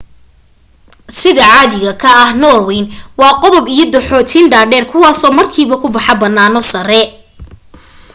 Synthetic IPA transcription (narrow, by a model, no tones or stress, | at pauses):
sɪðɐʕaːðɪɣɐkʰɐɐhnɔːrwɛjnwɑːqɔðɔbijɞd̪ʊħɔːt̪ʰiːnɖaːɖɛːrkʰʊwɑːsɔːmɐrkʰiːβɐkʰʊbɐħɑbɐnːaːnɔsɐɾɛ